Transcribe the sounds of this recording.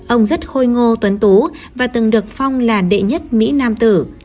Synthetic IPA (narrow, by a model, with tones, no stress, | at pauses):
ʔə˧wŋ͡mzə˦˥t̚xo˧jŋo˧t̪wə˨˦nt̪u˨˦vaː˨˩t̪ɨ˨˩ŋɗɨ˨˩ək̚fa˧wŋ͡mlaː˨˩ɗḛ˧˨ɲə˦˥t̚mḭ˧˥naː˧mt̪ɨ˧˩